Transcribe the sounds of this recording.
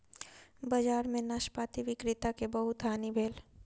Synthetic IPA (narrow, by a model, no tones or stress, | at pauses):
bɐd͡ʒaːɾmẽnaːʃpaːt̪iʋɪkɾɪt̪akebɐɦʊt̪ɦaːnibʱeːl